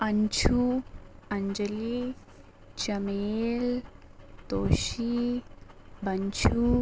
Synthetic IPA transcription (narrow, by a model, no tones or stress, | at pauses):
ɐɲt͡ʃʰu | ɐɲd͡ʒɐli | t͡ʃɐmeːl | t̪oːʃi | bʱɐɲt͡ʃʰu